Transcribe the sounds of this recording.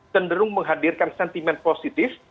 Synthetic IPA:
təndəɾʊŋməŋɦadirkansɛnt̪imɛnposit̪ɪf

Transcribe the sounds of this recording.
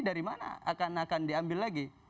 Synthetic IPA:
daɾimana̰a̰kanakandiambilːaɡi

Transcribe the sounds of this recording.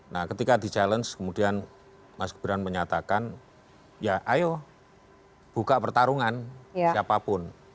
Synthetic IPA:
nahkət̪ikad̪i̤t͡ʃalənskəmudian | masɡəb̥iɾanməɲat̪akan | jaʔajo | b̥ukaʔpərt̪aɾuŋansiapapʊn

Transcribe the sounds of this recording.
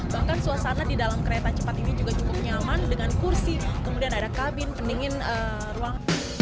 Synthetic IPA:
bahkansuasanadidalamkəɾet̪at͡ʃəpat̪inid͡ʒuɡat͡ʃukʊp̚ɲamandəŋankursikəmudianadakabɪnpəndiŋɪnə | ruaŋ

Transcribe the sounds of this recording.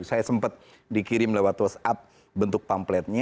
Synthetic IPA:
sajasəmpət̪̚ | dikiɾɪmlɛwat̪wəsap̚ | bənt̪ʊk̚pamplɛt̪̚ɲa

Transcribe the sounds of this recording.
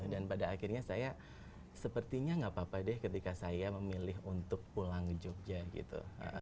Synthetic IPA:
danpadaːkɪrɲasaja | səpərt̪iɲaŋɡapapadɛhkət̪ikasajaməmilɪɦunt̪ʊk̚pulaŋd͡ʒɔk̚d͡ʒaɡḭt̪ṵə̰ʔ

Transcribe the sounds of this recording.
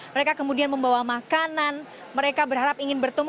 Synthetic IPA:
məɾekakəmudianməmbawamakanan | məɾekabərɦaɾapiŋɪnbərt̪əm

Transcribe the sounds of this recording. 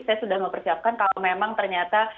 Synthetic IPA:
sajasudahməmpərsiap̚kankalomemaŋt̪ərɲat̪a

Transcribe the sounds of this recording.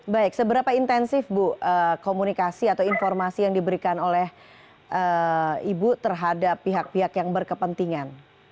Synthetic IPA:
baɪk̚səbəɾapaint̪ɛnsɪfbʊhʔəːkomunikasiat̪awinfɔrmasijaŋdibəɾikanolɛh | ʔəibut̪ərɦadapːiɦak̚piɦakjaŋbərkəpənt̪iŋan

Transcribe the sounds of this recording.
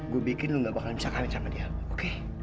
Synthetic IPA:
ɡuabikɪnluŋɡaʔbakalmisakawɪnsamadiaoke

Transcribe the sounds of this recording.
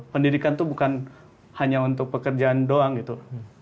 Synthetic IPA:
pəndidikant̪ubukan | haɲaunt̪ʊk̚pəkərd͡ʒaandoaŋɡit̪u

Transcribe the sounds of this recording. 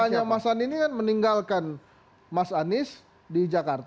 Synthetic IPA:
aɲamasaninikanməniŋɡalkan | masanɪs | did͡ʒakart̪

